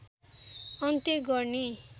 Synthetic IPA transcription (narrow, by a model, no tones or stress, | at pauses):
ʌnt̪eɡʌrni